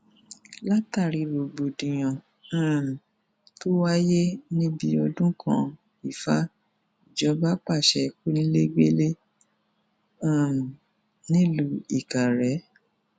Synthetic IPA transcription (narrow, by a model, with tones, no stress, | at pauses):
la˦ta˦˨ɾi˧ɾo˨ɡ͡bo˨dĩ˨j̃ɔ̃˨ | ã˦˨m̩˨ | to˦wa˦je˦nĩ˦bi˧˦o˧dũ˦kʰã̰˧˦ | i˨fa˦˨ | d͡ʒɔ˧˦ba˦k͡pa˦˨ʃɛ˨ku˦nĩ˦le˦ɡ͡be˦le˦ | ã˨ | nĩ˦lu˨˦i˨ka˨ɾɛ˨˦